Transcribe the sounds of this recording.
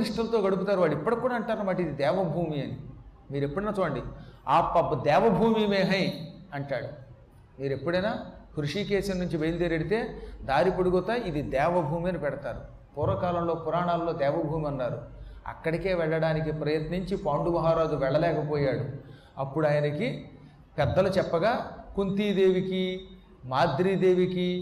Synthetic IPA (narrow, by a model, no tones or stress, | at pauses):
iʂʈɐlɐt̪o̞ːɡɐɽup̬ut̪aːɾuʋaːɽipːɐɽɐkːuːɽaːɳʈaːɾumaːʈid̪id̪ɛːʋɐbʱuːmiɐni | miːɾe̞pːuɽenɐt͡ʃ̪o̞ːɳɖiaːpɐbɐd̪ɛːʋɐbʱuːmimeːɦɐiɐɳʈaːɽu | miːɾe̞pːuɽɐjnaːkɾuʂiːkeːsɐnnuɲt͡ʃiʋejld̪eːɾeɽit̪e̞ːd̪aːɾipuɽuɡɔt̪ːaid̪id̪ɛːʋɐbʱuːmiɐnipɛɽɐt̪aːɾu | puːɾɐkaːlɐmlo̞ːpuɾaːɳaːllːo̞ːd̪ɛːʋɐbʱuːmiɐnːaːɾuɐ̰kːɐɽike̞ːʋɛɭːɐɽaːnik̬ipɾɐjɐt̪niɲt͡ʃipaːɳɖuʋɐɦaːɾaːd̪uʋɛɭːɐlɛːkɐpoːjaːɽu | ɐpːuɽaːjɐnɐki | pɛd̪ːɐlut͡ʃɛpːɐɡaːkunt̪iːd̪e̞ːʋiki | maːd̪ɾiːd̪e̞ːʋiki